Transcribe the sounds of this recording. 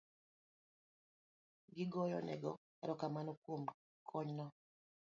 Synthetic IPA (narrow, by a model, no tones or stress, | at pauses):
ɡɪɡɔjɔ̰nɛ̰ɡɔ | ɛ̰ɾɔkamanɔkwom | kʰɔɲnɔ